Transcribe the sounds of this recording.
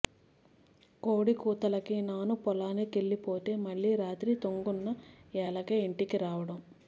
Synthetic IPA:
koːɽikuːt̪ɐlɐkinaːnupɔlaːnekeɭːipo̞ːt̪e̞ːmɐɭːiːɾaːt̪ɾiːt̪oŋɡunːɐɛːlɐkeːiɳʈikiɾaːʋɐɽɐm

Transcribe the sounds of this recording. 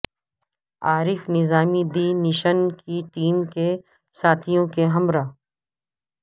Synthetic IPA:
aːɾɪfnɪzaːmid̪inɪʃənkiʈiːmke | saːt̪ʰijõkeɦɐmɾaː

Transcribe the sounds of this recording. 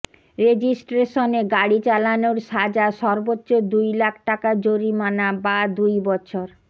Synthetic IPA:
ɾed͡ʑisʈɾeʃoneɡaɽit͡ɕalanoɾʃad͡ʑaʃɔɾbotːɕod̪ujlakʰʈakad͡ʑoɾimanabad̪ujbɔt͡ɕʰoɾ

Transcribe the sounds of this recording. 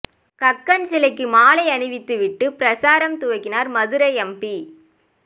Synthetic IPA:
kɐkːɐnsɪlɐɪkːɯmaːlɐɪɐnɯʋɪt̪ːɯʋɪʈːɯpɾɐsaːɾɐmt̪ʊʋɐɪkːɪnaːɾmɐðɯɾɐɛmpi

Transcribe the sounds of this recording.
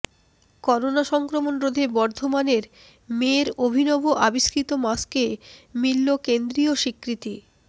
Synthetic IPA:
kɔɾonaʃɔŋkɾomonɾod̪ʱebɔɾd̪ʱomaneɾ | meɾobʱinɔboʔabiʃkɾit̪omaskemilːokend̪ɾioʃikːɾit̪i

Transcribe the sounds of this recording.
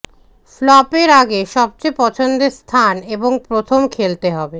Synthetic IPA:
flɔpeɾaɡeʃɔb̚t͡ɕepɔt͡ɕʰond̪est̪ʰaneboŋpɾot̪ʰomkʰelt̪eɦɔbe

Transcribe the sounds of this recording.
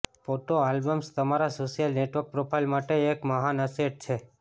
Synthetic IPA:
foʈoalbəmst̪əmaɾasoʃijəlneʈʋəɾk̚pɾopʰajlmaʈeːkməɦanəseʈ̚t͡ʃʰe

